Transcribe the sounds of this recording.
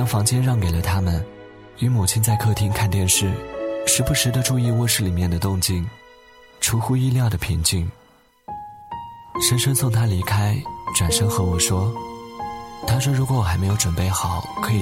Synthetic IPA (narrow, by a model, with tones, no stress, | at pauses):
ɑ˥ŋfɑ˧˥ŋt͡ɕjɛ˥nɻɑ˥˩ŋke˨˩ɪlə˦t̪ʰa˥mə˨n | y˧˥mu˨˩t͡ɕʰi˥nt͡sa˥˧ɪkʰɤ˥˧t̪ʰi˥ŋkʰa˥˧nt̪jɛ˥˧nʂɻ̩˥˩ʂɻ̩˧˥pu˧˥ʂɻ̩˧˥d̪ə˧ʈ͡ʂu˥˧i˥˧wɔ˥˧ʂɻ̩˥˩li˨˩mjɛ˥˩nd̪ə˩t̪ʊ˥˧ŋt͡ɕi˥˩n | ʈ͡ʂʰu˧˥xu˥i˥˧ljɑ˥˩ʊd̪ə˩pʰi˧˥ŋt͡ɕi˥˩n | ʂə˧˥nʂɤ˥ŋsʊ˥˩ŋt̪ʰa˥li˧˥kʰa˥ɪʈ͡ʂwa˨˩nʂɤ˥ŋxɤ˧˥wɔ˨˩ʂwɔ˥ | t̪ʰa˥ʂ̬wɔ˥ɻu˧˥kwɔ˧˥wɔ˨˩xme˧˥jo˧ʊʈ͡ʂə˨˩npe˥˩ɪxɑ˨˩˦ʊkʰɤ˧˥i˨˩